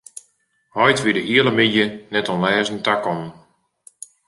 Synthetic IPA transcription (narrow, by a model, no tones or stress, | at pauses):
hɔjtʋidəʔiələmijənɛtɔnlɛːzəntakɔnən